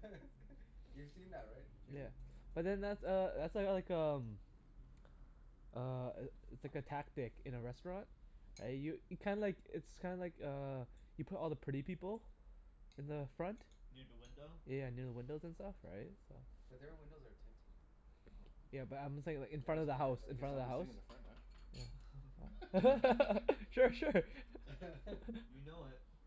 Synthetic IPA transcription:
jʉv̥sĩnðæt̚ɹaɪt̚jæb̥ʌt̪̚ðɨ̃nðætsʌðætslaɪlaɪkʌ̃m | ʔʌɪtslaɪkɨtʰæk̚tɪkɨ̃nɨɹɛstɹ̥ɑ̃nt̚ɹa̰ɪjɨjɨkʰãɪ̃ndəlaɪkɪtskʰãɪ̃ndəlaɪkʌjɨpʰʊɾɔlˠðəpʰɹ̥ɪɾipʰipl̩ˠ | ɨ̃nðəfɹʌ̃nt | ɪwɪ̃djænɪɹðəwɪ̃ndoʊzɨ̃nstʌfɹa̰ɪt̚soʊ̥ʌwɪ̃tʰɛ̃n | jæbʌɾãɪ̃mseɪɪ̃ŋlaɪkɨ̃nfɹʌ̃ɾ̃ʌvðəɦaʊsɨ̃nfɹʌ̃ñtʌvðəɦaʊs | jæ̰ | ʃʊɹʃʊɹ | jɨnoʊɪt̚

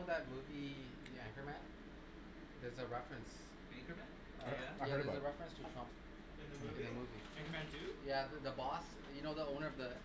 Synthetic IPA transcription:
ʊðət̚muvi | ðiæ̃ŋkə˞mæ̃n | ðə˞zəɹɛfɹɨ̃ns | æ̃ŋkəmæ̃n | æɜzəɹɛfɹə̃nstʰɨtʰɹʌ̃mp | ɪ̃nðəmuvi | æ̃ŋkə˞mæ̃ntʉjæððəbɔs | jɨnoʊðəõʊ̃nə˞ʌvðə

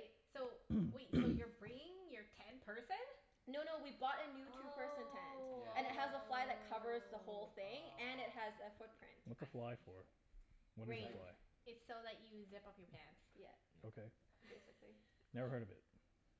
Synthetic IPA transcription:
ɪsoʊwetsoʊjə˞bɹɪ̃ɪ̃ŋjə˞tʰɛ̃npʰɜ˞sɨ̃n | noʊñoʊwibɔɾɨnʉtʰupʰɜ˞sɨ̃ntʰæ̃nz̥ɨ̃nɨt̚ɦəzəflaɪðɨt̚kʰʌvə˞zðəhoʊlˠθɪ̃ŋɨ̃nɪt̚ɦɨzɨfʊt̚pʰɹ̥ɪ̰̃ntwʌt̪səflaɪfə˞ | wʌɾɹeɪfla̰ɪɨtsoʊðɨt͡ʃɨzɪpʌpjə˞pʰæ̃ndz̥jæ̰oʊkʰeɪb̥eɪsɨkli | nɛə˞ɦɜ˞ɾʌvɪ̰t̚

